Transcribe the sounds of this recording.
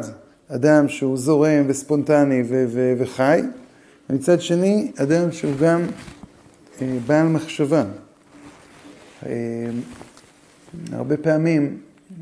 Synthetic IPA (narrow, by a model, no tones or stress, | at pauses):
d | adamʃeuzo̞ʁe̞mvespo̞ntaniveveveχaj | vemit͡sadʃe̞niadamʃeuɡam | ebaːlmaχʃava | e | a̰ʁbe̞peamim